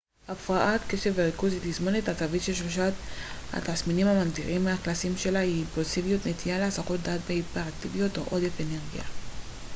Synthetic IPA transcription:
ʔafʁaʔat̪ke̞ʃe̞vːeʁikuzit̪izmonet̪akavitʃelʃloʃat̪ha̰t̪asminimhamaɡd̪iʁimːeaklasimʃe̞laiːmpulsivijut̪net̪ijaleasaχo̞t̪̚d̪aːt̪beipeʁat̪ivijo̞t̪oʔo̞d̪efe̞ne̞ʁɡia̰

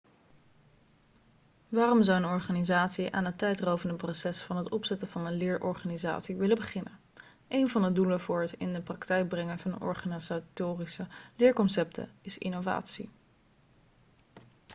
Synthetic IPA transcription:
ʋaːrɔmzɔwənɔɹχaːnizaːtsiʔa̰ːnətɛjtrowvəndəprowsɛsfɑnɦətɔpsɛtəv̥ɑnənlɪːɹʔɔɹχaːniza̰ːtsiʋɪləbəχɪnən | ʔejnvɑndəduləvʊːɹɦətɪndəprɑktɛjk̚brɛŋənvɑnəɔ̰ɹχanzatoːrisəlɪːɹkɔnsɛptʰə̰ɪsɪ̰nova̰ːtsḭ

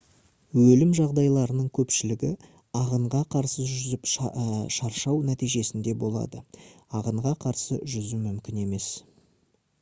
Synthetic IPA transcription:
wɵlɪmʒɑʁd̪ɑjlˠɑɾənəɴkʲʰɵpʃɪlɪɡʲɪ | ɑʁəɴʁɑqʰɑɾsəʒʏzɪpʃɑɾʃɑwnæt̪ijʒe̞sɪnd̪e̞bo̞lˠɑ̰d̪əɑʁəɴʁɑqʰɑɾsə̰ʒʏzɪmʏmkʲɪne̞me̞s

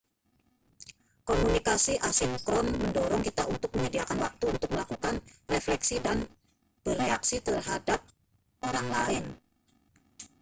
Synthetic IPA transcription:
komunikasiʔasɪfkɾɔnməndɔɾɔŋkit̪aʔunt̪ʊk̚məɲd͡ʒadiakanwak̚t̪uːnt̪ʊk̚məlakukanreflɛksidan | b̥əreaksit̪ərɦadap̚ | oɾaŋlaɪn

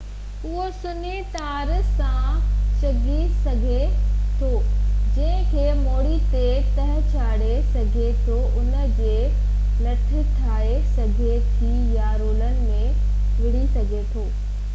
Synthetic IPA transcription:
ʊɦosʊnit̪aːɾsãt͡ɕɐɡʱisɐɡʱet̪ʰoːd͡ʑɐ̃ɦɪ̃kʰeːmoːɽit̪e | t̪ɐɦə̆t͡ɕʰaːɽesɐɡʱet̪ʰoʔʊnə̆d͡ʑeː | lɐʈʰɪ̆tʰaːesɐɡʱet̪ʰi | jaɾoːlənɪ̆mẽ | ʋɪɽisɐɡʱet̪ʰoː

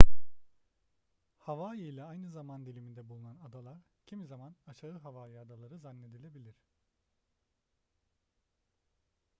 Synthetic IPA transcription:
havaːjijlʲˠaajnɯzamand̪ilʲimind̪ɛbulˠunanad̪alˠaɾ | cʰimizamanaʃaɯɦavaːjiad̪alˠaɾɯzanːe̞d̪ilʲe̞bilʲiɾ̥

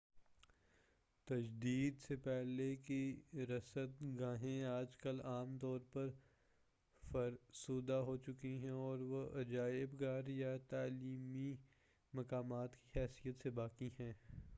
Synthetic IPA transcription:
t̪ɐd͡ʒd̪iːd̪sepɛɦlekiɾɐsət̪ɡãːɦẽaːd͡ʒkəlaːmt̪ɔːɾpɐɾ | fɐɾsuːd̪aɦoːt͡ʃʊkiɦɛ̃ɔːɾʋoʔɐd͡ʒaːɪbɡaːɾjat̪aːliːmi | mɐkaːmaːt̪ki̥ɦɛːsijət̪sebaːkiɦɛ̃ː

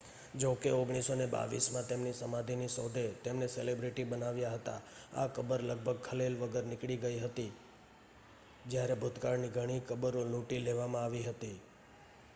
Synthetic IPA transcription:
d͡ʒokeoɡɽ̃isoneba̰ʋḭsmãt̪emnisəmad̪ʱinisɔd̪ʱet̪emneselebɾiʈibənaʋjaɦət̪a̰a̰kəbəɾləɡ̚bʱəɡ̚kʰəlelʋəɡəɾnɪkɽiɡəiɦət̪i | d͡ʒjaɾebʱʊt̪kaɾniɡʱəɽ̃ikəbəɾoluʈileʋamãaʋiɦət̪i

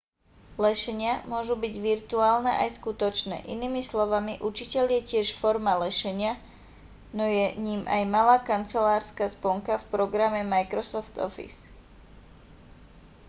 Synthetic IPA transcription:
lɛʃɛɲɪamʊɔʒubiɟʋiɾt̪uaːlnɛʔajskut̪ɔt͡ʃnɛ̰ːʔiniːmislɔʋamiʔut͡ʃicɛʎjɛcɪɛʃfɔɾmalɛʃɛɲɪa | nɔjɛɲiːmʔa̰jmalaːkant͡sɛlaːɾskaːspɔŋkafpɾɔɡɾamɛmajkɾɔsɔft̪ɔ̰fḭs

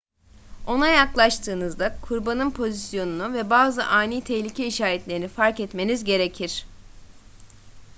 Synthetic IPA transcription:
o̞najaklˠaʃt̪ʰɯːnɯzd̪akʰuɾbanɯnpʰo̞zisjo̞nunuvɛbaːzɯʔaːniːt̪ʰɛhlʲicʰɛiʃaːɾɛt̪lʲeɾinifaɾkɛt̪me̞nizɟe̞ɾe̞cʰiɾ̥

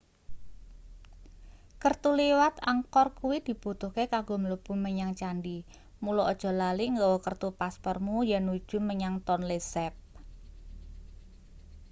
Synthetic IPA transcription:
kərt̪uliwat̪aŋkɔrkuwid̪̥i̤b̥ut̪uhkekaɡoməlub̥ṳməɲaŋt͡ʃanɖi | mulɔod̥ʒ̥ɔ̤laliŋɡɔwɔkərt̪upaspɔrmujɛnːud̥ʒ̥ṳməɲaŋt̪ɔnlesɛp̚

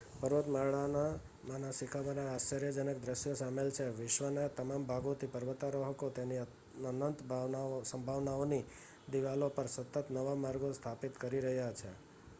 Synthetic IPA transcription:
pəɾʋət̪maɭana | manasikʰaʋanaːst͡ʃəɾjəd͡ʒənək̚d̪ɾəʃjosamelt͡ʃʰeʋɪʃʋənat̪əmambʱaɡõt̪ʰipəɾʋət̪ːaɾoɦət̪ot̪eni | ənənt̪bsə̃mbʱaʋnaoni | d̪iʋalopəɾsət̪ət̪nəʋamaɾɡost̪ʰapit̪kəɾiɾəɦjat͡ʃʰe

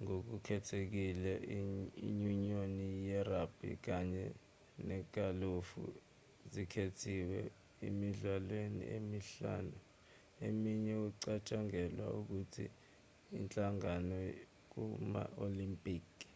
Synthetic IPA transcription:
ŋok̬ukʰɛtʰek̬ilɛḭɲuɲionijɛrab̥ʱḭk̬aɲɛ | nɛk̬ʼalofṵ | zikʰetʰiwɛ | emiɮwalwenḭemiɬa̰ːnu | emiɲɛuǀat͡ʃʼaŋɛlwa̰uk̬utʰḭː | nt͡ɬʼaŋanɔ | k̬uma̰olimpʼiːk

